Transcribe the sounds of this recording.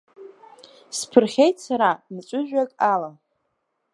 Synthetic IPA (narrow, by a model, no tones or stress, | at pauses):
spʰɨrχʲejtʰʼsaɾanɨt͡ʃʷʼʊʒᶣakʼalam